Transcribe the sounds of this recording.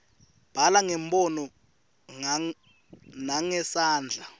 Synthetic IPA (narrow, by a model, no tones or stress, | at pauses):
b̥ʱalaŋɛmbʱʼɔnɔ | naŋɛsaːnd͡ɮʱa